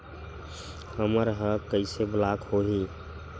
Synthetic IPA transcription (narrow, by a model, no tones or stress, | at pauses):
əməɾɦəkəɪseblakhoɦi